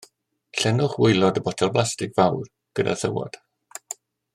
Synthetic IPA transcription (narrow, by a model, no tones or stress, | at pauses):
ɬɛnʊχwɪjlˠɔdəbɔtʰɛlˠplˠastɪkv̥awr | ɡ̥əda̰θə̰wɔ̰d̥